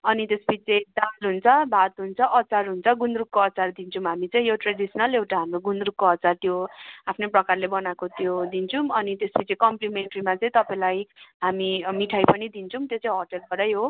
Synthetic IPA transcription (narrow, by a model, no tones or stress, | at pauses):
ʌnit̪esbit͡sed̪alɦunt͡sʰʌbʱat̪ɦunt͡sʰʌʔʌt͡sarɦunt͡sʰʌɡund̪rukkoʌt͡sard̪int͡sʰʌmɦamit͡sʌĩjoʈreɖisʌnʌlewʈaɦamroɡund̪rukkoʌt͡sart̪joapʰnoprʌkarlebʌnakot̪jod̪int͡sʰumʌnit̪esbit͡sekʌmplimenʈrimat͡sʌĩt̪ʌpaĩlajɦamimiʈʰajpʌnid̪int͡sʰʌmt̪jot͡sʌ̃ĩɦoʈʌlkʌɾʌjɦo